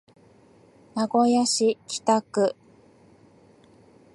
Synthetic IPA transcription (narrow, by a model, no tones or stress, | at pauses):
naɡo̞jaɕikʲi̥t̪akɯ